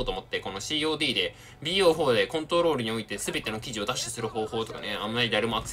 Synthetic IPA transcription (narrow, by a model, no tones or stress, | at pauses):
t̪o̞ːmo̞t̪ːeko̞no̞ɕiːo̞ːd̪iːd̪e̞ | bʲiːoːɸo̞ːd̪e̞kõ̞nt̪oɾo̞ːɾɯ̟ɲ̟io̞it̪e̞sɨbe̞t̪e̞no̞kʲiʑio̞d̪aɕi̥t̪esɨɾɯ̟ho̞ːho̞ːt̪o̞ka̰ne̞ãmːaɾʲid̪aɾemo̞akɯ̟̥s